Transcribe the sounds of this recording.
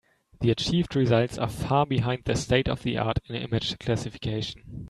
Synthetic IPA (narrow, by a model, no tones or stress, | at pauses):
ðiɨt͡ʃʰiːvdɹɪzʌlˠtsa̰fɑɹbiɦãɪ̃nd̪̚ðɨsteɪɾʌ̰vðiʔa̰ɹɾɪ̃nɪ̰mɪ̥d͡ʒ̥kʰl̥æsɪfɪ̥kʰeɪʃn̩